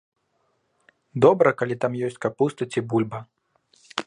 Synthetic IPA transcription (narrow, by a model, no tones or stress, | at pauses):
d̪ɔbɾɐkalʲit̪amjɔsʲt͡sʲkapust̪ɐt͡sʲibulʲbɐ